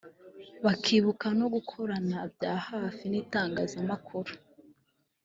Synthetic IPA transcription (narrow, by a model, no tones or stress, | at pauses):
βakʰiːβukano̞ɡukʰo̞ɾanabjaːhaːfiniːtaːŋɡaːzamakʰuɾu